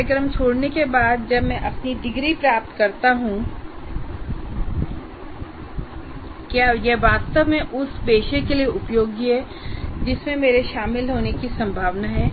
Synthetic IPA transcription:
ɪkɾəmt͡ʃʰoːɽnekebaːd̪̚d͡ʒɐbmɛ̃ʔɐpnid̪ɪɡɾipɾaːp̚t̪kɐɾt̪aɦũ | kjaːjɛʋaːd̪st̪əbmẽʔʊsbeːʃekelieʔʊpjoːɡiɦɛ | d͡ʒɪsmẽmeːɾeʃaːmɪlɦoːnekisɐ̃mbʱaːʋnaɦɛː

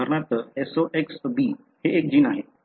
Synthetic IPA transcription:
əɾnat̪esoʔeksbiː | heek̚d͡ʒinaːɦe

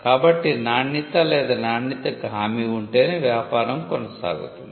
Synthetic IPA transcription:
kaːbɐʈːinaːɳːit̪ɐlɛːd̪ɐnaːɳːit̪ɐɡʱaːmiuɳʈe̞ːneːʋjaːpaːɾɐmkɔnɐsa̰ːɡṵt̪und̪i

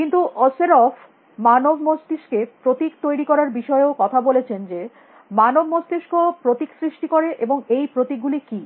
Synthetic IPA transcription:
kint̪uʔɔseɾɔfʰ | manobʱmost̪iʃkepɾot̪ikt̪ojɾikɔɾaɾbiʃɔeokɔt̪ʰabolet͡ɕʰend͡ʑe | manobmost̪iʃkopɾot̪iksɾiʃʈikoɾeʔeboŋejpɾot̪ik̚ɡuliki

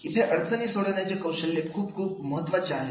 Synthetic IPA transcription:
it̪ʰeʔəɽt̪ʰənisoɽened͡ʒekɐwʃəlːekʰuːbkʰuːbməɦət̪ʋat͡ʃa

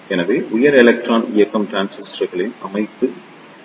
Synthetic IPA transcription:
ɛnɐʋeːʔʊjɐɾɛlɐk̚ʈɾaːnɪjɐkːɐmʈɾaːnsɪsʈɾɐɣɐɭɪnɐmɐɪt̪ːɯ

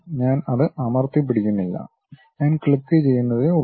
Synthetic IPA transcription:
ɲaːnɐðɨʔɐmɐrt̪ip̬ːiɽikʲːunːilːɐ̰ | ɲaːnkɭikːɨt͡ɕe̞jːunːɐðɨu

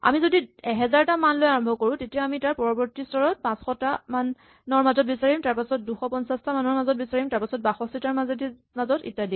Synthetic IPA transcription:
a̰mizodiɛɦɛzaɹtamanlojaɹɔmbʱɔkoɹʊ̃tetijaamitaɹpɔɹɔbɔɹtistɔɹɔt̚pãsxɔtaman | nɔɹmazɔt̚bisaɹimtaɹpasɔt̚duxɔpɔnsastamanɔɹmazɔt̚bisaɹimtaɹpasɔt̚baxɔstitaɹmazedi | mazɔtḭtːadi

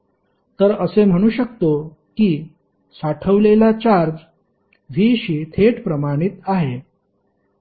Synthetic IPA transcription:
t̪əɾəsem̤əɽ̃uːɕək̚t̪o | kiː | saʈʰəʋlelat͡ɕaɾd͡ʑ | ʋiːɕiːt̪ʰeʈpɾəmaɽ̃it̪aɦe

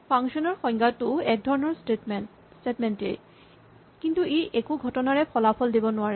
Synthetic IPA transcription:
pʰaŋʃɔnɔɹxɔŋɡatʊɛk̚d̪ʱɔɹɔnɔɹ | stetmɛntḛɹ | kintuejʔekuɡʱɔtɔnaɹɛpʰɔlapʰɔldibɔnʊaɹɛ

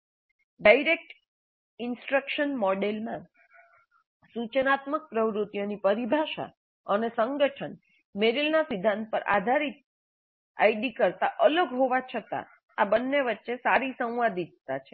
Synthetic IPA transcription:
ɖaiɾek̚ʈ | ɪnsʈɾəkʃənmɔɖelmã | sut͡ʃənat̪mək̚pɾəʋɾut̪ijonipəɾibʱaʃa̰ | ənesəŋɡəʈʰən | meɾilnasid̪ʱãnd̪̚pəɾʔa̰d̪ʱaɾit̪̚ | a̰iɖikəɾt̪aʔələɡɦoʋat͡ʃʰət̪a̰ | abənːeʋətːʃesaɾisə̃w̃ʋad̪it̪̚t̪at͡ʃʰe

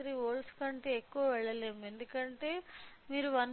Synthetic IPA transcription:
ɾiːʋoːlskɐɳʈeːekːuʋɐʋɛɭːɐle̞ːmue̞nd̪ukɐɳʈe̞ːmiːɾuʋɐn

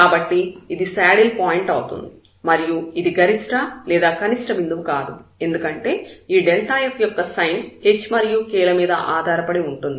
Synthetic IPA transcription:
kaːbɐʈːiid̪isaːɽilpaːjiɳʈɐwut̪ṵnd̪i | mɐɾijuid̪iɡɐɾiʂʈɐlɛːd̪aːkɐniʂʈɐʋind̪uʋukaːd̪ue̞nd̪ukɐɳʈe̞ːiːɖelʈaːjɐfjɔkːɐsɐjnhet͡ʃːmɐɾijukɛːɭɐmiːd̪ɐ̰ʔaːd̪ʱaːɾɐpɐɽeuɳʈund̪i

